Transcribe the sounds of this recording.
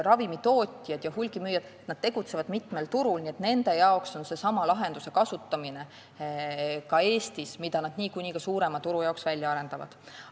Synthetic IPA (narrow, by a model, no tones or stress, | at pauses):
rɑvimit̪o̞ːt̪ʲijɑd̪jɑhulʲɡ̥imyːjɑd̪̥ | nɑd̪̥t̪e̞ɡ̥ut̪se̞vɑd̪mit̪ˑme̞lt̪uɾulnie̞t̪ne̞nd̪e̞jɑokso̞nse̞sɑmɑlɑɦe̞nd̪use̞kɑsut̪ˑːɑmine̞ | kɑe̞ːst̪ismid̪ɑnɑd̪̥niːkunʲikɑsuːɾe̞mɑt̪uɾujɑoksvælʲjɑɑɾe̞nd̪ɑvɑ̰d̪̥